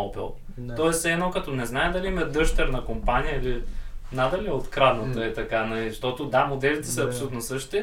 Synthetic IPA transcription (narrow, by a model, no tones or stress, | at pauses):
ɔpɛ̰lˠ | t̪ɔɛsɛnɔkɐt̪ɔnɛznaɛd̪ɐliimɐd̪ɤʃt̪ɛɾnɐkompanijəiliznad̪ɐliot̪kɾad̪nət̪əɛt̪ɐkanɐliʃt̪ɔt̪od̪amod̪ɛlit̪ɛ̥sɐɐpsolut̪nosɤʃt̪i